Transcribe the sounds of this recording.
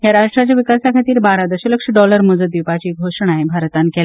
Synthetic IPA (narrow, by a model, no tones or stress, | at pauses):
ɦjaɾaʈɾat͡ɕjaʋikasakʰat̪iːɾbaɾad̪əɕələkʂəɖɔləɾməd͡zəd̪ipat͡ɕiːɡʱoʂəɽ̃aebʱaɾt̪ankɛl